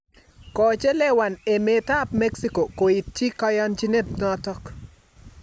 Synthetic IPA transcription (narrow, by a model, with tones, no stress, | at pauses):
kɔ˨t͡ʃe˦lɛ˦wa˨ne˨me˨ta˦pme˦ksi˦ko˨ko˨i˨t̚t͡ʃi˦ka˦ja˦nt͡ʃi˦ne˦tnɔ˦tɔ˦k